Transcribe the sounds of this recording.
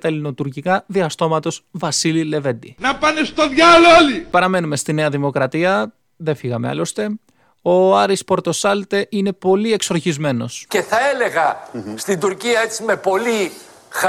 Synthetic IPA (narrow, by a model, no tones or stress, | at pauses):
t̪ɐlino̞t̪uɾcikɐðiɐst̪o̞mɐt̪o̞zvɐsilile̞ve̞d̪inɐpanest̪oðʝaloolipɐɾɐme̞nume̞st̪ine̞ɐðimo̞kɾɐt̪iɐ | ðe̞fiɣɐme̞ɐ̰lo̞st̪e̞ | o̞ɐɾispo̞ɾt̪o̞sɐlt̪e̞ʔine̞po̞lie̞kso̞ɾçizme̞no̞̰sce̞θɐele̞ɣɐst̪ind̪uɾciɐet͡sime̞po̞li | x